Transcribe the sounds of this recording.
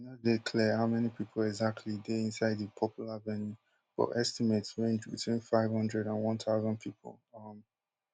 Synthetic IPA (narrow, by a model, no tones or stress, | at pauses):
nadekʰlɛhaʊmɛnipʰipʰəl̩ɛɡzak̚tʰlideĩnsaɪdðəpʰɔpʰjuləvɛnju | fɔ̰ʔɛstimetsɹẽnd͡ʒwḭtʰwĩnfaɪv̥hʌ̃ndɹɛɾãnwʌ̃ntaʊzə̃npʰipʰə̰lˠʌm